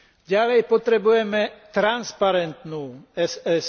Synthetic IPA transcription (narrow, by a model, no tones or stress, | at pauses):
ɟalɛjpot̪ɾɛbujɛmɛt̪ɾanspaɾɛnt̪nuːɛsɛs